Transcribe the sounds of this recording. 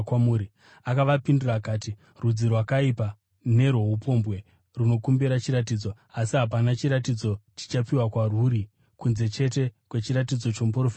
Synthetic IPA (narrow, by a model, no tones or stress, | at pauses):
kamuːɾi | akaʋapinduraːkaːti | rud͡zirwakaipa | ne̞ɾwoɦupo̞mbɣe̞ | runo̞kumbiɾat͡ʃiɾatiːd͡zo̞ | asiɦap̬anat͡ʃiɾat̬id͡zo̞t͡ʃi̥t͡ʃapiwakwaruːɾi | kunze̞t͡ʃe̞te̞kwe̞t͡ʃiɾat̬id͡zo̞t͡ʃo̞muporofit